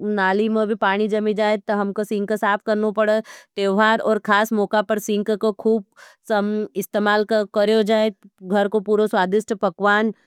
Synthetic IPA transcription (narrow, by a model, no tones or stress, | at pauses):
naːlimẽbʱipaːɽ̃id͡ʒɐmid͡ʒaːet̪ɐɦɐmkosɪ̃ŋksaːpʰkɐɾnopɐɽeʈ̪eːʋɦaːɾɔːɾkʰaːsmɔːkapɐɾsɪ̃ŋkkokʰuːb̚sɐmɪst̪eːmaːlkkɐɾjod͡ʒaːeɡʱɐɾkopuːɾoswaːd̪ɪʃʈpɐkʋaːn